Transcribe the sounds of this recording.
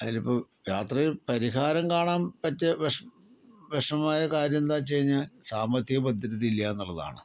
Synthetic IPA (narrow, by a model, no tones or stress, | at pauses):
ɐðilipːoː | jaːt̪rɐilpɐɾiɦaːɾɐmkaːɳaːmpɐtːeʋeʂ | ʋeʂɐmaːjɐkaːɾjɐmd̪aːt͡ɕejɲːaːlsaːmɐt̪ːiɣɐbɐd̪ʱːiɾɐtilːɐenːuɭːɐða̰ːɳɨ